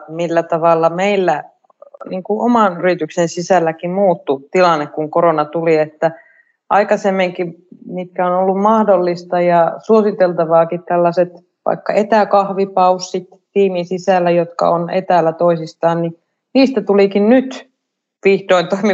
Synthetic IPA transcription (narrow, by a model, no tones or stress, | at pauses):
milːæt̪ɑʋɑlːɑmeilːæ | niːŋkuʔomɑnyrit̪yksensisælːækimmuːt̪ːut̪ilɑnːekkuŋkoɾonɑt̪uliet̪ːæ | ʔɑikɑsemːeŋkimit̪̚kæonolːummɑhdolːist̪ɑjɑsuosit̪elt̪ɑʋɑːkit̪t̪ælːɑset̪ | ʋɑ̰ikːɑ̰et̪ækɑhʋipɑusːit̪ | t̪iːminsisælːæjot̪kɑ̰onḛt̪æːlːæt̪oisist̪ɑːnni | niːst̪æt̪ulikinnyt̪ | ʋihdoint̪oimi